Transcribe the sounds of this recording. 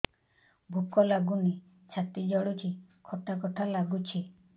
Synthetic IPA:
bʱukɔlaɡuni | t͡ʃʰat̪id͡ʒɔɽut͡ʃʰi | kʰɔt̪akɔt̪ʰalaɡut͡ʃʰi

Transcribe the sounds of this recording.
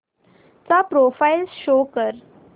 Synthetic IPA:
t͡sapɾofajlsɕokəɾ

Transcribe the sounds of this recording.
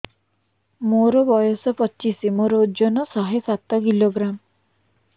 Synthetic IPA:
moɾɔbɔjɔsɔpɔt͡ʃːt͡ʃisimoɾɔud͡ʒɔnɔsɔɦesat̪ɔkiloɡɾam

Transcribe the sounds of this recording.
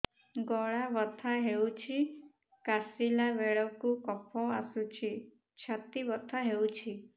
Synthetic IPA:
ɡɔɭaʋət̪ʰaɦeũt͡ʃʰi | kasilaʋeɭɔkũkɔpʰɔ̃asũt͡ʃʰi | t͡ʃʰat̪iʋɔt̪ʰaɦeũt͡ʃʰi

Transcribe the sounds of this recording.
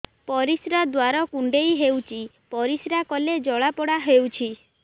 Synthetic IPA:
pɔɾisɾad̪waɾɔkuɳɖejɦewt͡ʃʰi | pɔɾisɾakɔled͡ʒɔɭapɔɽaɦewt͡ʃʰi

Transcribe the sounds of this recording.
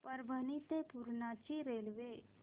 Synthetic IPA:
pɐɾbʱənit̪epuɾnat͡ʃiɾeːlʋeː

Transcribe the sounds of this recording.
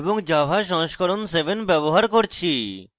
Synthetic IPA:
boŋd͡ʑabʱaʃɔŋʃkʰɔɾonsebʱenbɛboɦaɾkoɾt͡ɕʰi

